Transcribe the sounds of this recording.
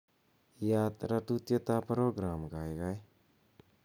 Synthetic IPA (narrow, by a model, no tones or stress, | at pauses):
jat̪ɾat̪ut̪jɔt̪apəɾoɡɾamɡajɡaj